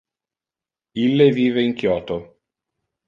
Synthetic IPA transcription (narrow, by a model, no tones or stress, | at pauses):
ilːeviːveiŋkjɔːt̪o